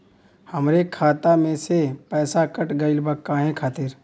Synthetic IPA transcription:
həmɾekʰaːt̪amẽsepɛːsakəʈɡəɪlbəkːaːɦẽkʰaːt̪ɪɾ

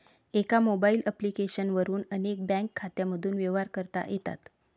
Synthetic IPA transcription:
ekamobailəplikeɕənʋəɾuːnənek̚bɛ̃ŋkʰːat̪jaməd̪ʱuːnʋeʋaɾkəɾt̪a̰jet̪a̰t̪

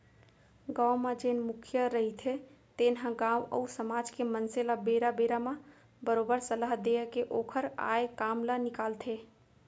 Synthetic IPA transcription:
ɡãːwmãd͡ʒeːnmʊkʰjəɾəɦit̪ʰe | t̪eːnɦãɡaːwə̰usəmaːd͡ʒkemənselabeːɾabeːɾamã | bəɾoːbəɾsəlaɦd̪eːkeʔoːkʰəɾa̰ːjkaːmlanɪkaːlt̪ʰeː

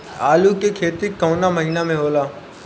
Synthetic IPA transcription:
aːlukekʰeːt̪ikɔ̃ʊnaməɐɦiːnamẽɦoːlaː

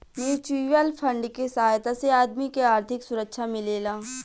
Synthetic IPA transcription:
njuːt͡ʃuʋəlpʰə̃ɳɖkesɐɦaːjt̪aseaːd̪mikeaːɾt̪ʰɪksʊɾəkʃʰamɪleːlaː

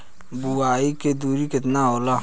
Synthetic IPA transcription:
buaːiked̪uːɾikɪt̪naoːla

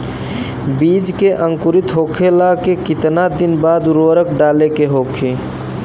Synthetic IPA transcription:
bid͡ʒkeʔəŋkuɾit̪ɦokʰelakekit̪nad̪inbad̪ɾoɾəkɖalekeɦokʰe

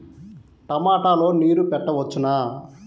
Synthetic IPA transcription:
ʈ̪ɐmaːʈaːlo̞ːniːɾupɛʈːɐʋɐt͡ʃːunaː

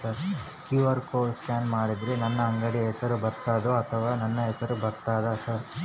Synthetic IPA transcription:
sɐɾ | kjuːʋɐɾkoːlskaːnmaːɽid̪ɾenɐnːɐːŋɡɐɽiɦɛsɐɾubʱɐɾt̪aːd̪oɐt̪ʰɐʋaːnɐnːɐɦɛt͡ʃːɐɾubʱɐɾt̪aːd̪ɐsɐɾ

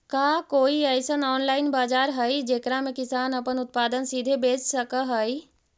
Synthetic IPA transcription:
kaːkoːiɛːsənɔːnlaːɪnbaːd͡ʒaːɾɦəid͡ʒeːkɾamẽkɪsaːnɐpənʊt̪̚paːd̪ənsiːd̪ʱebeːt͡ʃsəkəɦəi

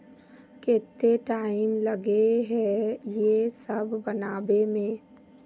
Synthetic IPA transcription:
keːt̪ːeʈaːɪmləɡeɦɛjesəbʱːənaːbemẽː

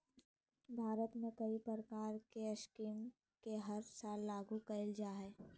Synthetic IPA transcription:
bʱaːɾət̪mẽkɐipɾəɾəkaːɾkeɐʃkiːm | keɦɐɾsaːlːaːɡukɐɪld͡ʒaːɦɛː

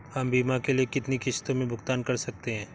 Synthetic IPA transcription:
hɐmbiːmakeliekɪt̪nikɪʃt̪õmẽbʱʊɡt̪aːnkɐɾsɐk̚t̪eɦɛ̃ː

